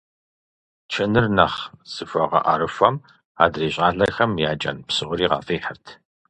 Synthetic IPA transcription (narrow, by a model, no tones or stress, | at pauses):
t͡ʃʰɐnɨrnɐχsɨfɐʁɐ̰ʔaɾɨfɐm | a̰ːdreːɕʼaːɮɐxɐmjaːt͡ʃʼɐ̰npsɨʁʷʊɾiːʁɑ̰ːfiːħərtʰ